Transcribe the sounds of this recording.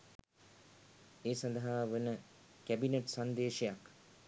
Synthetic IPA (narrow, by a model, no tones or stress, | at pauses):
eːsand̪ɐɦaːʋenə | kæbineʈsand̪eːʃejak